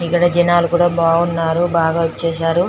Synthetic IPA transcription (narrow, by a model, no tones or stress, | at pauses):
ikːɐɽɐd͡ʒɐnaːlukuːɽaːbaːunːaːɾubaːɡaːʋot͡ʃːeːʃaːɾu